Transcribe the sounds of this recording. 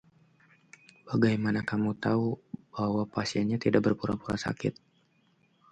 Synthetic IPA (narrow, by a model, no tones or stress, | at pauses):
b̥aɡajmanakamut̪aub̥ahwapasiɛnɲat̪idak̚bərpuɾa̰puɾa̰sa̰kɪ̰t̪̚